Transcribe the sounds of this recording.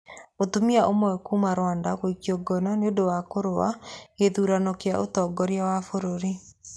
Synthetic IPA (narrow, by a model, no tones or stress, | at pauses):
otumiaʔomɔɛkumaɾwandakoikjɔɡɔnɔneodowakoɾoa̰eðuɾanɔkeaʔotɔɡɔɾjawafoɾoɾi